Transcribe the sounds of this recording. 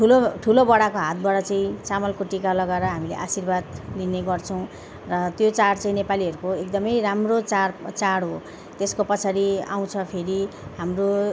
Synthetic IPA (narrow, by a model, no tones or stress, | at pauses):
ʈʰuloʈʰulobʌɽakoɦat̪̚baʈʌt͡saĩt͡samʌlkoʈikalʌɡaeɾʌɦamilḛʔasirbad̪lineɡʌrt͡sʰʌw̃ | rʌt̪jot͡saɽt͡saĩnepaliɦʌɾukoek̚d̪ʌmʌjramrot͡sart͡saɽɦo | t̪eskopʌt͡sʰaɾia̰w̃t͡sʰʌpʰeɾiɦamro